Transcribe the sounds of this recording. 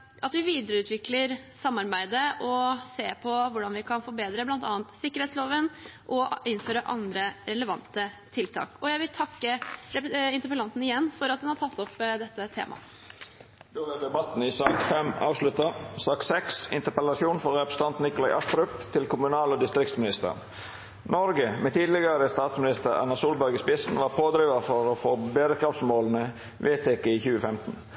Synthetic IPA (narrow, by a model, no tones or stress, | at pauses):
ʔɑt̪ʋɪʋiːd̪əɾəʉːt̪ʰʋɪkləɾsɑmːɑɾbæɪd̪əʔɔseːpʰɔʋʊɖɑnʋɪkʰɑnfɔɾbeːd̪ɾəblɑnt̪ɑ̰ːnt̪sɪkːəɾɛːt̪sloːʋənʔɔɪnːføːɾəʔɑ̰nd̪ɾəɾɛləʋɑ̰nt̪ət̪ʰɪlt̪ʰɑ̰ːkɔjæɪʋɪlt̪ʰɑkːəɾɛɪnt̪əpəlɑnt̪n̩ɪjɛnːfɔɾɑt̪d̪ʉnhɑʈʰɑt̪ʰːɔpd̪ɛt̪ːət̪ʰḛːmʔɑ̰ | d̪̥oːʋɛd̪ɛbɑt̪n̩ɪsɑːkfɛmɑ̰ːʋʂlʉt̪ɑsɑːk̪sɛksɪ̰nt̪əpɛlɑsuːnfɔɾːɛpɾəsət̪ɑnt̪n̩ɪkʊlɑɪʔɑʂt̪ɾʉpt̪ʰɪlkʰʊmʉnɑːlod̪ɪst̪ɾɪkt̪smɪnɪst̪ə̰ | nɔɾɡəmɛt̪ʰiːd̪lɪɡəɾəst̪ɑːt̪smɪnɪst̪əɾæ̰nɑsuːlbæɾɡəspɪsn̩ʋɑːɾpʰoːd̪ɾiːʋɑfɔɾofoːbeːd̪əkʰɾɑft̪smoːln̩ə | ʋʔeːt̪ʰɛːkəiçʉːəfɛmt̪n̩